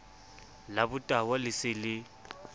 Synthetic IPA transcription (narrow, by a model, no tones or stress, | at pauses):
labʊtʼawalɪsɪlɪ